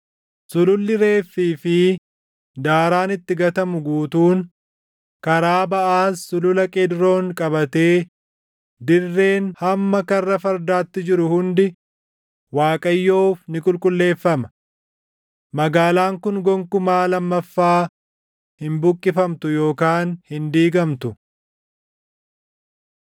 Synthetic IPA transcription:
sʊlʊlːɪɾe̞ːfːiːfɪ | d̪aːɾaːnɪt̪ːɪɡɐt̪ɐmʊɡuːt̪uːn | kɐɾaːbɐʔaːsːʊlʊlɐkʼɛd̪ɾo̞ːŋkʼɐbɐt̪e̞ː | d̪ɪrːe̞ːnhɐmːɐkɐrːɐfɐɾd̪aːt̪ːɪd͡ʒɪɾʊhʊnd̪ɪ | waːkʼɐjːoːfnɪkʼʊlkʼʊlːe̞ːfːɐmɐ | mɐɡaːlaːŋkʊnɡɔŋkʊmaːlɐmːɐfːaː | hɪmbʊkʼːɪfɐmt̪ʊjo̞ːkaːnhɪnd̪iːɡɐmt̪ʊ

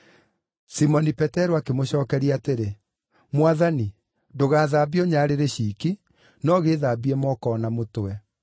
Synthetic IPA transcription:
simɔnipɛtɛɾoakemoɕɔːkɛɾiateɾe | mwaðani | doɣaːðaːbiɔɲaːɾeɾeɕiːki | nɔɣeːðaːbiɛmɔkɔnamotwɛ

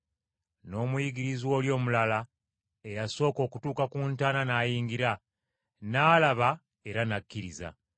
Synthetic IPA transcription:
no̞ːmujiɡiɾizwo̞ːljo̞ːmulala | e̞jaso̞ːko̞ːkutuːkakuːntaːnanaːjiːŋɡiɾa | naːlaβa | e̞ɾanakːiɾḭza̰

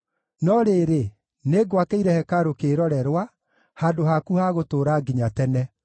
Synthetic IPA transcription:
nɔɾeːɾe | neɡwakeiɾɛhɛkaɾokeɾɔɾɛɾwa | hadohakuhaɣotoːɾaːɡiɲatɛnɛ

